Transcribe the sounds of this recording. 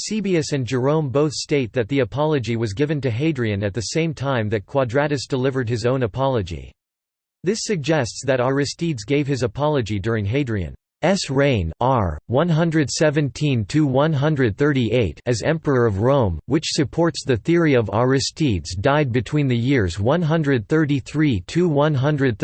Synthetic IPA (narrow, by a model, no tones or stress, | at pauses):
sibiɨsɨ̃nd͡ʒə˞õʊ̃mboʊθsteɪt̪̚ðɨt̪̚ðiɨpʰɑlˠɨd͡ʒiwʌzɡɪvɨ̃ntɨɦeɪdɹiɨ̃nɨt̪̚ðɨsẽɪ̃mtʰãɪ̃mðɨt̚kʰw̥ɑdɹæɾɨsd̥əlɪvə˞d̚ɨzõʊ̃nəpʰɑlˠəd͡ʒḭ | ðɪsɨɡ̚d͡ʒɛstsðɨɾəɹɨstidzɡeɪv̥ɨzəpʰɑlˠɨd͡ʒidʊɹɪ̃ŋɦeɪdɹiɨ̰̃n | ɛsɹẽɪ̃nɑɹwʌ̃nɦʌ̃ndɹɨd̥sɛvɨ̃ntʰĩntʰuwʌ̃nɦʌ̃ndɹɨd̪̚θɜ˞ɾiʔeɪɾɨzɛ̰̃mpə˞ə˞ʌvɹõʊ̃mwɨt͡ʃsɨpʰɔɹtsðɨθɪɹiʌvɑɹɨstidzdaɪd̚bɨtʰw̥ĩnðɨjɪɹzwʌ̃nɦʌ̃ndɹɨd̪̚θɜ˞ɾiθɹitʰʉwʌ̃nɦʌ̃ndɹɨd̪̚θ